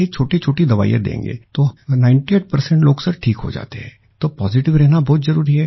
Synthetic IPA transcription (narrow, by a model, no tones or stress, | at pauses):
it͡ʃʰoːʈit͡ʃʰoːʈid̪ɐʋa̰ːḭjḛd̪ḛ̃ːŋɡḛːt̪oːnãːɪ̃ɳʈieːʈ̚pɐɾsɛ̃ɳʈloːɡsɐɾʈʰiːkɦo̰d͡ʒa̰ːt̪eɦɛ̃ː | t̪opɔːzɪʈɪʋɾɛɦnabɔːt̪zɐɾuːɾiɦɛ